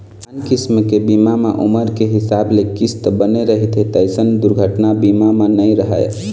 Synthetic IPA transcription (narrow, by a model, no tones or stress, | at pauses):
ankismkebimameʔṵməɾkeɦisablekist̪bəneɾəɦit̪et̪əɪsənd̪uɾɡʱəʈnabimamenəjɾəɦə̰j